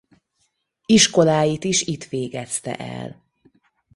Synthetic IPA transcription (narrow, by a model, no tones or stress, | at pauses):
iʃko̞laːjit̪iʃit̪ʋeːɡɛst̪ɛ̰ʔɛ̰l